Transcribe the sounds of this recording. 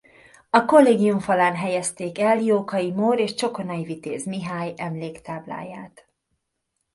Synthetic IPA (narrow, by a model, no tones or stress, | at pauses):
ɒko̞lːeːɡijuɱfɒlaːnɦɛjɛst̪eːkɛljoːkɒjimoːɾeːʃt͡ʃo̞ko̞nɒjivit̪eːzmiɦaːjɛmleːkt̪aːbla̰ːja̰ːt̪